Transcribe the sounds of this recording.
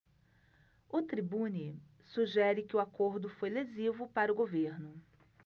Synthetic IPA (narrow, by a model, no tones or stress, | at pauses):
ʊt̪ɾibũni | suʒɛɾɪkɪʊakoɾd̪ʊfojlezivʊpaɾɐʊɡoveɾnʊ